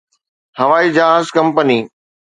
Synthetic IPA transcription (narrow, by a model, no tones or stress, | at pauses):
hɐʋaːid͡ʑaaːzkɐ̃mpəniː